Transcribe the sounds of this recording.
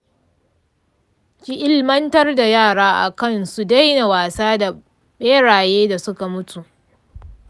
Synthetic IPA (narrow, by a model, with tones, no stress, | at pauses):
kʲi˦ʔɪ˦lmɐ˦ntɐ˦rda˨jaː˦˨ɽaː˦ʔa̰˨kɐ˦˨nsu˨da˦jna˨waː˨saː˦da˨ | ɓeː˦ɽaː˨jeː˦da˨sʊ˦ka˨mʊ˦tʰu˨ʔ